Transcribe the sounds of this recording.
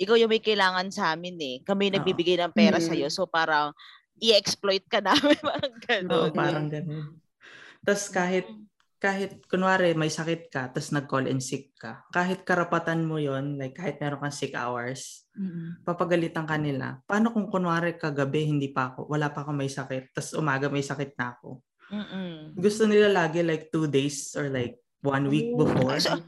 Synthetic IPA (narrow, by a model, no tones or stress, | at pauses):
ʔɪkawjʊŋmɐjkɐjlaːŋɐnsɐʔaːmɪnɛkɐmɪjnɐbibɪɡajnɐŋpɛːɾɐsɐjo̞sopaːɾɐŋ | ʔɪɛksplojt̪̚kɐnaːmɪnmɐɐŋɡɐnoʔopaːɾɐŋɡɐnon | t̪ɐskaːɦɪt̪̚ | kaːɦɪt̪̚konwaːɾɛmɐjsɐkɛt̪̚kɐt̪ɐsnɐɡ̚kolʔɛ̰nsɪkːɐkaːɦɪt̪̚kɐɾɐpɐt̪anmojonlajkːaːhɪt̪mɛːɾonkɐŋsɪka̰wɛɹs | pɐpɐɡɐlɪt̪ɐŋkɐnɪla̰paːnokʊŋkonwaːɾɛkɐɡɐbɛhɪnd̪iːpɐʔɐko̞̰wɐlaːpɐʔɐko̞mɐjsɐkɛt̪̚ːɐsʔʊ̰maːɡɐmɐjsɐkɛt̪̚nɐɐko̞̰ | ɡʊst̪onɪlalaːɡɛlajk̚t̪ud̪ejsʔoɹlajk̚ | wanwik̚bɪfoɹ